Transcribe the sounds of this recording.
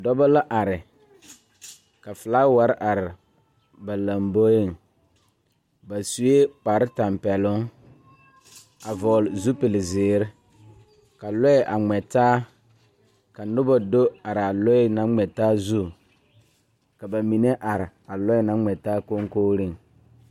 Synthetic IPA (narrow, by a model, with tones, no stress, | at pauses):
dɔ˦ba˦la˦ʔa˨ɾɪ˨ | ka˨fɪ˨la˦wa˨ɾʔa˨ɾɪ˨ | ba˨la˨mbo˦je˦˨ŋ | ba˨su˦e˦k͡pa˨ɾɪ˦ta˨mpɛ˨lʊ˦ŋ | a˨vɔ˨lzu˦pɪ˨lɪ˨zɪː˨˦ɾɪ˦ | ka˨lɔ˦˨ʔa˨ŋ͡mɛ˨taː˦ | ka˨nʊ˦bɔ˦do˦a˨ɾa˨lɔ˦na˦ŋ͡mɛ˨taː˦zu˦ | ka˨ba˨mi˨ne˦ʔa˨ɾɪ˨a˨lɔ˦na˦ŋ͡mɛ˨taː˦ko˦ŋkoː˦ɾi˦˨ŋ